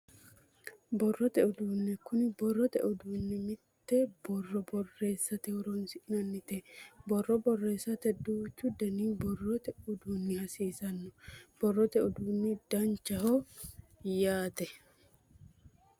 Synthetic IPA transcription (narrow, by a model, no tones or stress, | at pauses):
bɔrːɔt̪ɛʔʊd̪uːnːɪkʊnɪbɔrːɔt̪ɛ̰ʔʊd̪uːnːɪmɪt̪ːɛbɔrːɔbɔrːe̞ːsːɐt̪ɛʊɾɔnsɪʔnɐnːɪt̪ɛbɔrːɔbɔrːe̞ːsːɐt̪ɛd̪uːt͡ʃːʊd̪ɛniːbɔrːɔt̪ɛʔʊd̪uːnːɪhɐsiːsɐnːɔb̥ɔrːɔt̪ɛʔʊd̪uːnːɪd̪̥ɐnt͡ʃːɐhɔ | jaːt̪ɛ